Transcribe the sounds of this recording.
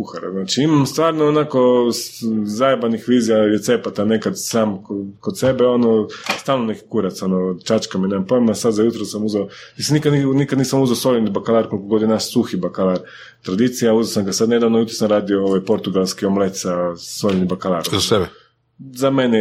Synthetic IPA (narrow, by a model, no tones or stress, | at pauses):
kuxaɾa̰znaːt͡ʃiimamst̪ʋaːɾnoonako̞ | zajebanixʋiːzijalet̪se̞pat̪ane̞kad̪saːmkkod̪se̞beo̞nost̪aːlnone̞ki̥kuɾat̪so̞not͡ʃat͡ʃkaminemampojmasad̪zajut̪ɾosamuzeo | nisnikad̪ninikad̪niːsamuzeosolʲenibakalˠaːɾkolikoɡo̞d̪inaʃsuxibakalˠaɾ | t̪ɾad̪it̪sijauzosamɡasad̪ne̞d̪aʋnojut̪ɾosamɾaːd̪iooʋajpo̞ɾt̪uɡalˠskiomlet̪sasolʲenibakalˠaːɾzasebɛ | zamene